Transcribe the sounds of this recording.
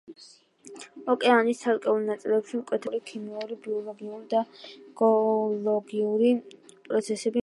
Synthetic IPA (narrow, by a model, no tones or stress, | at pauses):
ɔkʼɛanist̪ʰalkʼɛulˠnat̪sʼilɛpʃimkʼwɛt̪ʰɛɾikʰimiuɾibiɔlˠɔɡiuld̪aɡ̥ɔlɔɡiuɾi | pʼɾɔt̪sʰɛsɛbi